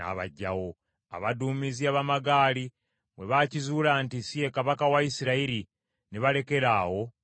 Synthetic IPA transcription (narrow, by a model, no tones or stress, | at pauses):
a̰βa̰ɟːa̰wo̞ | a̰βaduːmiziaβamaɡaːli | βwe̞βacizulaːntisije̞kaβakawaisiɾaiɾi | neβale̞ke̞ɾaːwo̞